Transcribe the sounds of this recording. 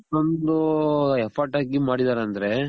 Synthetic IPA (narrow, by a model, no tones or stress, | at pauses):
ond̪uɛpʰɐɾʈaːɡimaːɽid̪aːɾeɐnd̪ɐɾe̞